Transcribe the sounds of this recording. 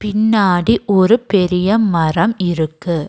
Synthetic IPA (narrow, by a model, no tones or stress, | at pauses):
pɪnːaːɽiʔɔɾɯpɛɾɪjɐmɐrɐmɪɾɯkːɯ